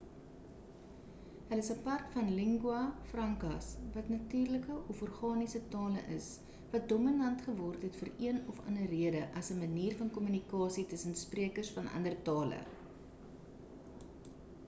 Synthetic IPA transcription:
ɦələsəpɐrkfɐnliŋɡuɐfrɐŋkɐsvɐtnɐtyːrləkəʔɔfɔrχɑːnisətɑːlə̰ʔə̰s | vɐt̚dɔminɐntχəvɔrtɦɛtfəriənɔfɐ̰nəriədəʔɐsəməniːrfɐnkɔmynikɑːsitəsənspriəkərsfɐnʔɐ̰ndərtɑːlə̰

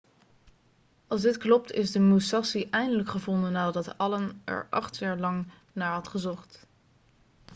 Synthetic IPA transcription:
ɑlˠzdɪtklɔp̚tɪzdəmusɑsiʔɛjndələkχəvɔndənːaːdɑtɑlənɛ̰ɹʔɑ̰χtjaːɹlɑŋ | naːɹɦɑtχəzɔχt

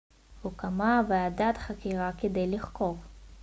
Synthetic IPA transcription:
hukamavead̪at̪χakiʁaked̪e̞jliχko̞v

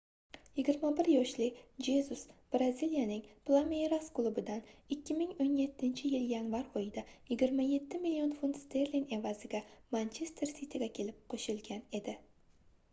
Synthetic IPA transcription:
jɪɡʲɪɾmabɪɾjɒʃlɪd͡ʒezusb̥ɾazilijanɪŋplˠamejɾasklˠubɪd̪anɪkʲʰːɪmɪŋonje̞t̪ʰːɪnt͡ʃʰɪjɪljanvaɾɒjɪd̪ajɪɡʲɪɾmaje̞t̪ʰːɪmilːio̞nfunt̪st̪ʰeɾline̞vazɪɡʲamant͡ʃʰe̞st̪ʰeɾsit̪ʰɪɡʲakʲʰe̞lɪp̚qʰoʃɪlɡʲane̞d̪ɪ

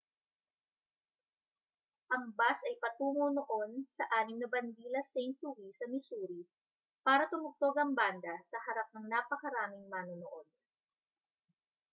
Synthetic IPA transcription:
ʔɐŋbasɐjpɐt̪uːŋonoʔo̞nsɐʔaːnɪmnɐbɐnd̪iːlɐsejnt̪̚lʊwisɐmɪsuːɾi | paːɾɐt̪ʊmʊɡ̚t̪oɡɐŋband̪ɐsɐhɐɾap̚nɐŋnaːpɐkɐɾaːmɪŋmaːnonoʔo̞d̪̚

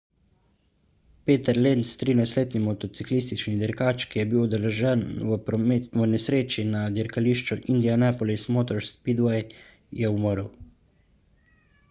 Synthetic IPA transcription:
peːt̪ɛɾlent̪st̪ɾiːnajsleːt̪nimɔt̪ɔt̪siklist̪it͡ʃnid̪ɛɾkaːt͡ʃkijɛbiwɔd̪ɛlɛʒɛn | ʋənɛsɾeːt͡ʃinad̪iɾkaliːʃt͡ʃuʔind̪ijanɛpɔlismoːt̪ɔɾspid̪wɛj | jɛumɔɾəw

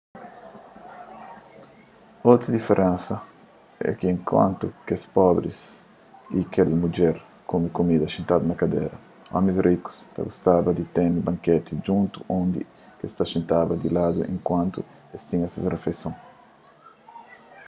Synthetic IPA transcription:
ot̪ɾɐd̪ifeɾʔẽnsɐ | ɛ̰keẽŋkwã̰nt̪ukespɔbɾḭs | ikelmud͡ʒɛɾ | komikomid̪ɐʃĩnt̪ad̪unɐkad̪ḛɾɐ | ɔ̰misriku̥st̪a̰ɡust̪abɐd̪it̪enubãŋket̪id͡ʒũnt̪uʔõnd̪i | kest̪aʃĩnt̪abɐd̪ilad̪uʔḛ̃ŋkwãnt̪u | est̪ĩŋasesrefesõŋ

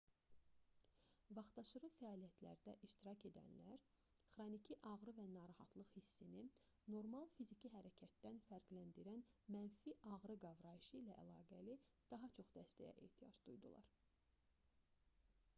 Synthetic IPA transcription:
vɑχt̪ɑʃɯɾɯfæɑːlijæt̪ʰlæ̰ɾd̪æʔiʃt̪iɾɑce̞d̪æ̰nlæɾ | χɾonicʰiʔɑɣɾɯvænɑːɾɑhɑ̰t̪lˠɯχhisːini | no̞ɾmɑlˠfizicʰiɦæɾæcʰæt̪ːænfæɾɡlænd̪iɾænmænfiʔɑʁɾɯɡɑvɾɑjiʃɯilæʔælˠɑːɡæli | d̪̥ɑɦɑt͡ʃʰo̞χd̪æst̪æ̰jæ̰ʔe̞̰ːht̪ʰijɑ̰d͡ʒd̪ujd̪ṵlˠɑ̰ɾ

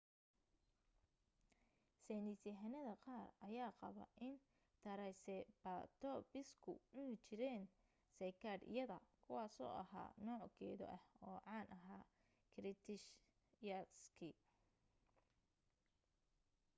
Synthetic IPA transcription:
sɛnɪsɪɦɐnɐðɐqɑːrʔɐjaːqɑβɐ̰ʔɪn | t̪ʰɐɾɛsɛbat̪ʰɔbɪskʰʊ̰mʊnt͡ʃɪɾɛːn | sɐjkʰɐd̪ɪ̰jɐðɐkʰʊwɑːsɔ̰ːʔɐ̰ha̰ːnɔːʕkʰɛːðɔ̰ʔɐhɔːʕɑːnʔɐɦaː | kʰɾɪt̪ʰɪʃ | jɐskʰɪ

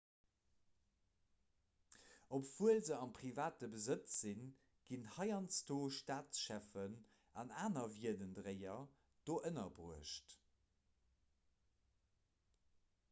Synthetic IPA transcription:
opv̥uəlzəɑnpʁivaːtəbəzət͡szin | ɡ̥inhɑɪɑnstoːʃtaːtʃæfən | ɑnaːnɐviədəndʁeɪɐ | d̥oːʔənɐbʁuəʃt

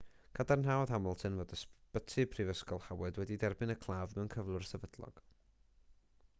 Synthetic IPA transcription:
ɡ̥adarnɦawðhamɔlˠtʰɨnvoːdəspətʰɨpʰrivəskɔlˠhawɛdwɛdidɛrbɨnəkʰlˠaːvmɛwnkʰəvlˠʊrsɛvədlˠɔ̰ɡ̥

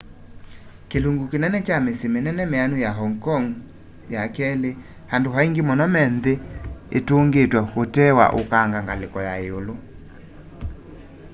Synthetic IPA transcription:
keluŋɡukenɛnɛt͡ʃamesemenɛnɛmeanujaɦɔŋkɔŋ | jakɛle | handoɦaiŋɡemɔnɔmɛnðeetoŋɡetwahotɛwa̰ʔo̰kaŋɡaŋɡalekɔjaeolo

